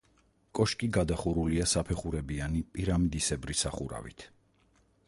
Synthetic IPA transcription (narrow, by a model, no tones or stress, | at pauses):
kʼɔʃkʼiɡad̪aχuɾuliasapʰɛχuɾɛbianipʼiɾamd̪isɛbɾisaχuɾa̰vḭt̪ʰ